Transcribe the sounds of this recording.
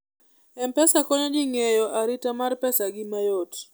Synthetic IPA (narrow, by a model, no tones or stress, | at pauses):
ɛmpɛsakɔɲɔd͡ʒɪŋɛjɔʔaɾitamarpɛsaɡɪmajot